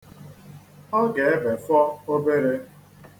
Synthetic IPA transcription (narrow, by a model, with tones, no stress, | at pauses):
ɔ˦ɡe˨e˦be˨fɔ˦o˦be˦ɾe˦